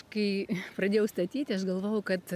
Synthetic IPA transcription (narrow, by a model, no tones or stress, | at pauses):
kɐɪpɾɐd̪ʲeːjɛʊst̪ɐt̪ʲiːt̪ʲɪɐʃɡɐlˠʋoːjɛʊkɐt̪